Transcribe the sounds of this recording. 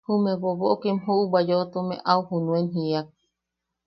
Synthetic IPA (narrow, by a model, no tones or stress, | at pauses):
humẽβoβoʔokemhuʔubad͡ʒoot̪omḛ̃ʔawhunũenɦiak̚